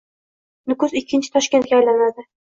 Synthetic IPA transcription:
nʊkʊzɪkʲʰːɪnt͡ʃʰɪ̥t̪ʰɒʃkʲe̞nt̪kʲaːjlanad̪ɪ

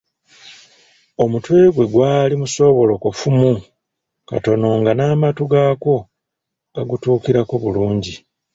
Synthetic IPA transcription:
o̞mutwe̞ːɡwe̞ɡwaːlimuso̞βo̞lokufumu | ka̰to̞no̞ŋɡanaːmatuɡaːko̞ | ɡaɡutuːkiɾako̞βuluːɲɟi

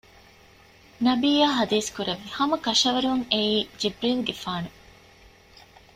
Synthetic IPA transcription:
nɐbiːjaːɦɐd̪iːskuɾɐʋːihɐmɐkɐʃɐʋɐɾuŋeiːd͡ʒibɾiːlɡefaːnu

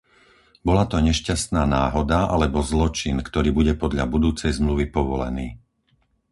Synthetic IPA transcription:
bɔlat̪ɔɲɛʃcast̪naːnaːɦɔd̪aʔa̰lɛbɔzlɔt͡ʃinkt̪ɔɾiːbuɟɛpɔd̪ʎa̰bud̪uːt͡sɛjzmluʋipɔʋɔlɛ̰niː

